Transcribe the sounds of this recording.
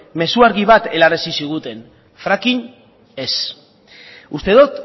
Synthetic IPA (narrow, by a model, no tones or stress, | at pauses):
me̞suaɾɣiβat̪e̞laresisiɣ̞ut̪e̞n | fɾakin | e̞s | ust̪e̞ðot̪